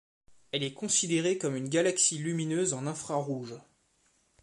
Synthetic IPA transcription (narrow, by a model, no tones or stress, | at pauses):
ɛlɛkɔ̃sid̪eʁekɔmynɡʲalaksilyminøzɑ̃nɛ̃fχaʁuʒ